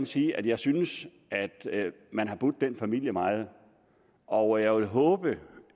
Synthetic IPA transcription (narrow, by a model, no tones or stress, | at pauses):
nsiːʔæd̥jɑ̈ɪsynəs | æd̥ | mænɦɑ̈b̥ud̥̚ːenfæmil̰jəmɑ̈ɪð̞̩ˠ | ʔɒʊjɑ̈ɪʋelɦɔ̽ːb̥ə